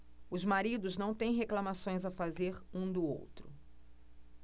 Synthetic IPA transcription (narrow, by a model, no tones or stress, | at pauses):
ʊzmaɾid̪ʊznɐ̃w̃t̪ẽj̃ɦeklamasõj̃zafazeɾũd̪ʊo̰wt̪ɾʊ